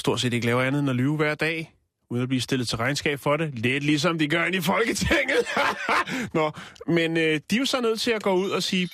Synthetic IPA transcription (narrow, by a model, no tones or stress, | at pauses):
sd̥o̝ɐ̰̥se̝ːd̥e̝ɡ̥əlɛːʊɐænð̞̩ˠnælyʊʋæɐ̰d̥ɛ̰ː | uðˠnæb̥lisd̥e̝lð̩ˠt͡sʰe̝ʁɑ̈ɪnsɡ̥ɛ̰ːb̥fɒ̽ɾe̝led̥lis̬ɒ̽md̥iɡ̥ɶɐenifɒ̽lɡ̥ət͡sʰeŋ̰ð̩ˠ | nɒmenød̥ijo̝sɒnøð̞̰ˠt͡sʰe̝læɡ̥ɔ̰̽ːuð̞̰ˠɒsiː